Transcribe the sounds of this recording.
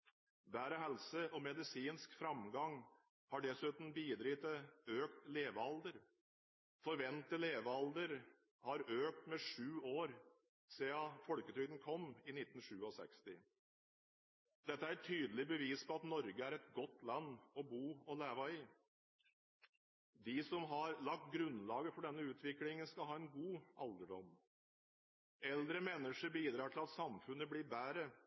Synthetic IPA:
ʋæːɾəɦɛlsəʔɔmɛd̪ɪsiːnskfɾɑmɡɑŋ | hɑɖɛsʉːt̪n̩biːd̪ɾɪːt̪əøːkt̪leːʋəɑld̪əɾ | fɔɾʋɛnt̪ːəleːʋəɑld̪əɾ | hɑɾøːk̚t̪mɛʂʉːoːɾ | seːɑfɔlkət̪ʰɾʏd̪n̩kʰɔmːɪnɪt̪ːn̩ʂʉːɔsɛ̰kst̪ɪ | d̪ɛt̪ːəæɾɛt̪ʰyːd̪əlɪbəʋiːspʰɔɑt̪nɔɾɡəæɾɛt̪ɡɔt̪ːlɑnːɔbuːɔleːʋɑɪ | d̪ɪsɔmɦɑɾlɑk̚t̪̚ɡɾʉnlɑːɡəfɔɖɛnːəʉːt̪ʰʋɪklɪŋənskɑlɦɑːɛnɡuːʔɑld̪əɖɔm | ɛld̪ɾəmɛnːəʂəɾbiːd̪ɾɑːʈ̪ʰɪlɑt̪sɑmfʉnːəblɪɾbæːɾə

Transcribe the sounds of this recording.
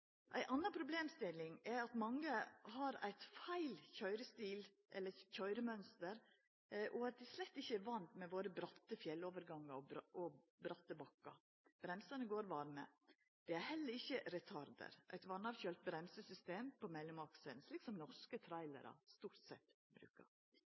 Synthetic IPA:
ʔæɪʔɑnːɑnpʰɾʊbleːmst̪ɪlɪŋæɾɑt̪mɑŋːəhɑɾæ̰ɪt̪fæɪlçœʏɾəst̪iːl | ʔɛlːəɾçœʏɾəmœnst̪əɾ | ʔɔɑt̪̚d̪ɛslɛt̪ːɪçːəæɾʋɑnt̪mɛʋoːɾəbɾɑt̪ːəfjɛlːoːʋəɾɡɑŋːɑɾɔɔbɾɑt̪ːəbɑkːɑ̰ | b̥ɾɛmsɑnəɡoːɾʋɑɾmə̰ | d̪̥ɛæɾhɛlːəɾɪçːəɾɛt̪ʰɑɾd̪ə̰ɾʔæ̰ɪt̪ʋɑnːɑʋçœlt̪̚bɾɛmsəsʏst̪eːmpʰɔmɛlːʊmɑksənsliːksɔmnɔʂkət̪ʰɾɑɪlə̰ɾɑ̰st̪uːɾʈ̪sɛ̰t̪ː | bɾʉ̰ːkɑ̰ɾ

